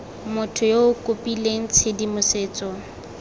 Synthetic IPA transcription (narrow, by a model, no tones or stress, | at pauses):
mʊtʰʊjoʊkʼopʼileŋ̩t͡sʰedimʊseːt͡sʼɔ